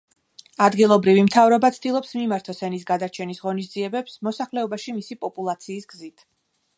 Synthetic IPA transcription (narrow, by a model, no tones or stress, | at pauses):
ad̪ɡilˠɔbɾivimt̪ʰavɾɔbat̪sʰd̪ilˠɔpsmimaɾt̪ʰɔsɛnisɡad̪aɾt͡ʃʰɛnisʁɔnis̬d̪ziɛbɛpsmɔsaχlɛɔbaʃimisipʼɔpʼulˠat̪sʰiːsɡzit̪ʰ